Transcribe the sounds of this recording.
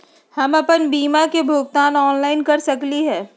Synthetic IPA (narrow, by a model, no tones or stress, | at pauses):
hɐmɐpənbiːmakebʱʊːɡ̚t̪aːnɔːnlaːɪnkɐɾsɐkliɦɛː